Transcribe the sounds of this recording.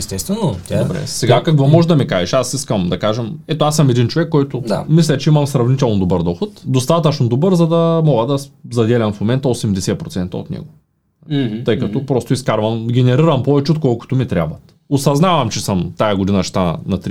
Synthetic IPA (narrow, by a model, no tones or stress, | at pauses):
ɛst̪ɛst̪vɛnot̪ʲadobɾɛ̰sɛɡakɐkvɔmɔʒɛd̪ɐmikaʒɛʃasiskəmd̪ɐkaʒɛmɛt̪oasəmɛd̪int͡ʃovɛkːɔjt̪ʊd̪a̰mislʲɐt͡ʃɛimɐmsɾɐvnit̪ɛlˠnod̪obɤɾd̪ɔxʊt̪d̪ost̪at̪ɐt͡ʃnod̪obɤɾzɐd̪ɐmɔɡəd̪ɐzɐd̪ɛlʲɐmfmomɛnt̪ɐosɛmd̪ɛsɛpɾot̪sɛnt̪ɐ̰o̰t̪nɛ̰ɡʊ | t̪ɤjkɐt̪ɔpɾɔst̪ʊiskaɾvɐmɡʲɛnɛɾiɾɐmpɔvɛt͡ʃɛot̪kɔlˠkʊ̥t̪omit̪ɾʲja̰bvɐ | osɐznavɐmt͡ʃɛsɤmt̪ajɐɡʊd̪inɐt͡ʃɛ̥t̪anɐt̪ɾi